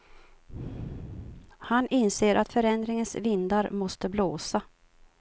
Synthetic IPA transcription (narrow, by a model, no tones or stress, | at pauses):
hanɪnseːɾʔa̰t̪fœɾɛnd̪ɾɪŋənsvɪnd̪aɾmɔst̪əbloːsa